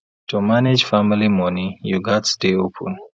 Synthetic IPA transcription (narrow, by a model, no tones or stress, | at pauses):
tumaned͡ʒfamilimɔnijuɡatsdeopʰə̰̃n